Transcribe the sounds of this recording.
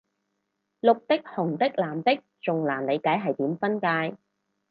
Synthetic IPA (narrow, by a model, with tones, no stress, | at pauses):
lʊ˨k̚t̪ɪ˥k̚hʊ˨˩ŋt̪ɪ˥k̚laː˨˩mt̪ɪ˥k̚t͡sʊ˨ŋlaː˨˩nle˨˧jkaː˨˥jɦɐ˨jt̪iː˨˥mfɐ˥nkaː˧j